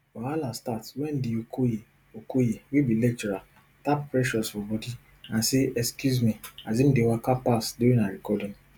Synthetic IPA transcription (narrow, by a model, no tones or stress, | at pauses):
waalastatwɛ̃n̩diokoje | okojewibilɛk̚t͡ʃɛɾal | tappɾɛʃɔsfɔbɔdi | ãnseɛskjuzmiazim̩dewakapasduɾĩaɾikɔdĩŋ